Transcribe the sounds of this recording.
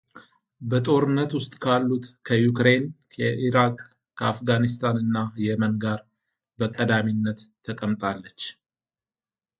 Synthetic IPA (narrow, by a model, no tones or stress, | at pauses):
bət̪ʼo̞ɾɨnːət̪wʊst̪ʼkʰalːut̪kʰəjukɾe̞nkʰəʔiɾakʼ | kʰəafɡanis̬t̪ʰanɨnːajɛmənɡaɾ | bəkʼəd̪aminːət̪ʰːəkʼəmt̪ʼalːət͡ʃː